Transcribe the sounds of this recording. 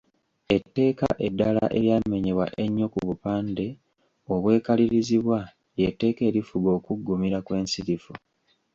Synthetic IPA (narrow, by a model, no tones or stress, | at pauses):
e̞tːe̞ːka̰ʔe̞dːala̰ʔe̞ɾjaːme̞ɲeβwa̰ʔe̞ɲːo̞kuβupaːnde̞ | o̞βwe̞ːkaliɾiziβwa | je̞tːe̞ːke̞ːɾifuɡo̞ːkuɡːumiɾakwe̞ːnsiɾifu